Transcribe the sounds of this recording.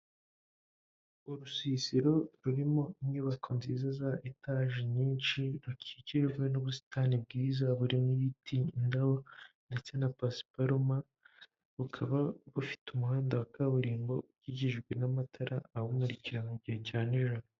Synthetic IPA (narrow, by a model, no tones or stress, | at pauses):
uɾusiːsiɾo̞ɾuɾimo̞imɲuːβakʰonziːzazaʔetaʒiɲiːnʃiɾucʰiciɾeβinuβusi̥tʰaːnib̚ɡiːzaβuɾimŋijitʰiindawondet͡se̞napasi̥paɾuma | βukʰaβaβufi̥tumuɦaːndawakaβuɾiːmbo̞ɟiɟiʒɡwe̞namatʰaɾʔa̰ːhomuɾiciɾanoɟihecaːniʒano